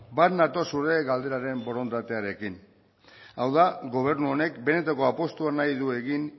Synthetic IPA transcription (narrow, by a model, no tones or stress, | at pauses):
bat̪nat̪o̞suɾe̞ɣald̪e̞ɾaɾe̞mbo̞ɾo̞nt̪at̪e̞aɾe̞kin | awðaɡo̞β̞e̞ɾnuo̞ne̞kbe̞ne̞t̪ako̞apo̞st̪uanajðue̞ɣin